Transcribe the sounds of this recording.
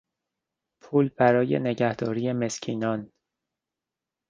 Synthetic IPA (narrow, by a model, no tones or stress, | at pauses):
pʰuːlbæɾɒːje̞̰ne̞ɟæhd̪ɒːɾiːje̞me̞scʰiːnɒːn